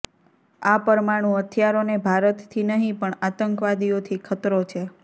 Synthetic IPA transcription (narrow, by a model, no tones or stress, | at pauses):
apəɾmaɽ̃ũət̪ʰjaɾonebʱaɾət̪t̪ʰinəɦĩpəɳat̪əŋkʋad̪iot̪ʰikʰət̪ɾot͡ʃʰe